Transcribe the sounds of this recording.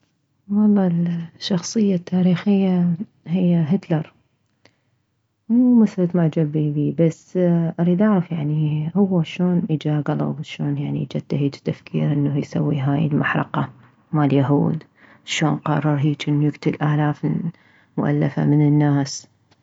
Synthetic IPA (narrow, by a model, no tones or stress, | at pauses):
wɑlˤːɑːlʃːɑxsˤɨjːat̪ʰːaːɾiːxɪjːa | hɪjːaɦɪt̪lɑɾˤ | mumaθɾɑt̪maʕd͡ʒabibiːbasːʔɑɾˤid̪aʕɾˤɑfjaʕnihʊwːaʃoːnʔid͡ʒaɡɑlˤɑ̰bʃoːnjaʕnḭd͡ʒat̪ːahiːd͡ʒt̪ːafkʰḭːɾʔɪnːahjsa̰wːḭɦaːjɪ̰lmaħɾˤɑ̰qɑ | maljaɦṵːd̪ | ʃoːnqɑ̰rˤːɑɾˤɦiːt͡ʃʔɪnːujɪɡt̪ɪlʔaːlaːf | mʊʔa̰lːafa̰mɪnɪnːaːs